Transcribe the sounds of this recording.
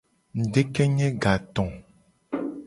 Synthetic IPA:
n̩˨ɖe˦kɛ˦ɲɛ̃˦ɡa˨t̪ɔ̃˨

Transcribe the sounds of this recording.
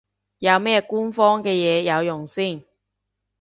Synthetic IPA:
jɐ˨˧wmɛː˥kuː˥nfɔː˥ŋkɛː˧jɛː˨˧jɐ˨˧wjʊ˨˩ŋsiː˥˩n

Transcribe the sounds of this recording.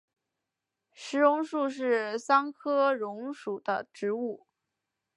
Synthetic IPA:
ʂɻ̩˧˥ɻʊ˧˥ŋʂu˥˧ʂ̬ɻ̩˥˩sɑ˥ŋkʰɤ˥ɻʊ˧˥ŋʂu˨˩d̪ə̰˦ʈ͡ʂɻ̩˧˥u˥˩

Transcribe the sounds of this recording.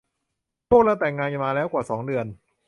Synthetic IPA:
pʰu˥˩k̚laː˦˥˩wt̪ɛː˨˩ŋːaː˧nja˧maː˧lɛː˦˥wkwaː˨˩sɔː˩˦ŋdɯ˧ən

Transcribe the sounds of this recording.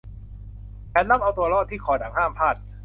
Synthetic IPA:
kɛː˧nla˥˩mʔa˧wt̪u˧ɐlɔː˥˩t̪ʰːiː˥˩kʰɔː˩˦daː˩˦ŋɦaː˥˩mpʰaː˥˩t̪̚

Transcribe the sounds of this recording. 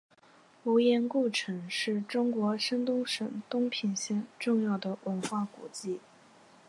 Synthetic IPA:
u˧˥jɛ˧˥nku˥˩ʈ͡ʂʰɤ˧˥ŋʂɻ̩˥˩ʈ͡ʂʊ˥ŋkwɔ˧˥ʂə˥nt̪ʊ˥ŋʂə˨˩ŋt̪ʊ˥ŋpʰi˧˩nɕjɛ˥˧nʈ͡ʂʊ˥˧ŋjɑ˥˩ʊd̪ə˩wʔə˧˥nxwa˥˩kṵ˨˩t͡ɕi˥˩

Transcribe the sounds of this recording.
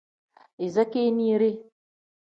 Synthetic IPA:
i˨za˦ke˦niː˦ɾe˦

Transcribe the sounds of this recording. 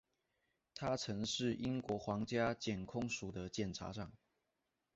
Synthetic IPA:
t̪ʰa˦ʈ͡ʂʰɤ˧˥ŋʂɻ̩˥˨i˦˥nkwɔ˧˥xwɑ˧˥ŋt͡ɕja˥t͡ɕjɛ˨˩nkʰʊ˥ŋʂu˨˩d̪ə˦t͡ɕjɛ˨˩nʈ͡ʂʰa̰˧˥ʂɑ˥˩ŋ

